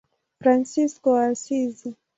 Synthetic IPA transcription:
fɾansiskɔasizi

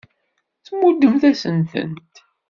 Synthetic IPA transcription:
θmːud̪əmθæsənθə̰nt̪

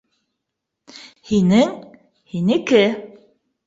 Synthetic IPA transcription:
hinɘŋ | hinɘ̆kɘ

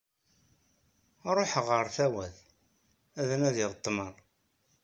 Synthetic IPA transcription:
ɾˤoħʁəɾθæwæð | æðænæðiʁt̪ˤːməɾˤ

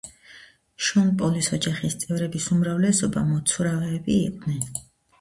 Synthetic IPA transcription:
ʃɔnpʼɔlisɔd͡ʒaχist̪sʼɛvɾɛbisumɾavlɛsɔba̰mɔt̪sʰuɾavɛːbḭːqʼd̪nɛn

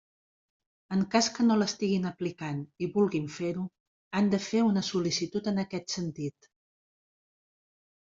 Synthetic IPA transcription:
əŋkaskənoləst̪iɣinəplikaniβulˠɣiɱfeɾu | and̪əfeunəsulisit̪ut̪ənəkɛt̪sənt̪it̪

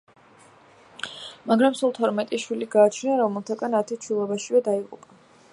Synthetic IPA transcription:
maɡɾamsulˠt̪ʰɔɾmɛt̪ʼiʃwiliɡaːt͡ʃʰnaɾɔmɛlˠt̪ʰaɡanat̪ʰit͡ʃʰilˠɔbaʃivɛd̪aiqʼṵpʼa

